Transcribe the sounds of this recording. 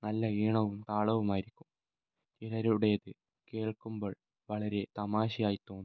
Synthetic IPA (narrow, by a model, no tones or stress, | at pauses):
nɐlːɐiːɳɐʋumt̪aːɭɐʋumaːjiɾikʲːum | t͡ɕiɾɐɾuɽejðɨ | ke̞ːɭkumbo̞ːɭ | ʋɐɭɐɾe̞t̪ɐmaːɕijaːjit̪o̞ːnː